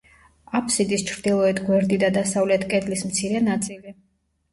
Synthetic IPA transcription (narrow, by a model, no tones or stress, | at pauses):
apʰsid̪ist͡ʃʰɾd̪ilˠɔɛt̪ʰɡwɛɾd̪id̪ad̪asavlɛt̪ʰkʼɛd̪lismt̪sʰiɾɛnat̪sʼili